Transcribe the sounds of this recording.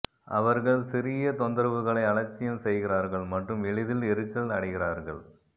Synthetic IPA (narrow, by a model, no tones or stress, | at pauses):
ʔɐʋɐɾɣɐɭsɪɾɪjɐt̪ɔnd̪ɐɾʋɯɣɐɭɐɪɐɭɐt͡ʃːɪjɐmsɛjɣɪraːɾɣɐɭmɐʈrɯmɛɭɪðɪlɛɾɯt͡ʃːɐlnɐɽɐɪɣɪraːɾɣɐɭ